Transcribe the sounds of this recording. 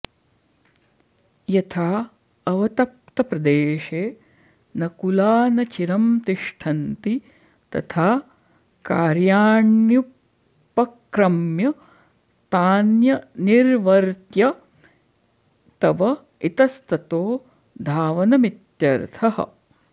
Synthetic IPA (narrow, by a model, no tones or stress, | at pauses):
jɐt̪ʰaː | ɐʋɐt̪ɐp̚t̪ɐpɾɐd̪eːʃeː | nɐkulaːnɐt͡ʃiɾɐmt̪iʂʈʰɐnt̪i | t̪ɐ̰t̪ʰaː | kaːɾjaːɳju | pːɐkɾɐmjɐ | st̪aːnjɐniɾʋɐɾt̪jɐ | t̪ɐʋɐ | it̪ɐst̪ɐt̪oː | d̪ʱaːʋɐnɐmit̪jɐɾt̪ʰɐɦɐ̰